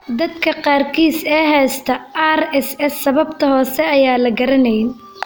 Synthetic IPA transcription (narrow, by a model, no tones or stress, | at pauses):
d̪ɐd̪kʰɐqɑːrkʰiːsɛːɦɛːst̪ʰɐarɛsɛsːɐβɐbt̪ʰɐhɔːsɛɐjaːlɐɡɐɾɐnɛjn